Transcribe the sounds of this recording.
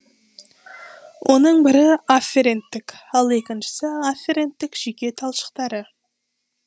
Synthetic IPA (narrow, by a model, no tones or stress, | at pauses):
wʔo̞nəɴbɪɾɪafʲeɾent̪ːɪkɑlˠe̞kʲɪnʃɪ̥sɪafʲeɾent̪ːɪkʒ̥ikʲe̞t̪ʰɑlˠʃə̥qt̪ɑɾə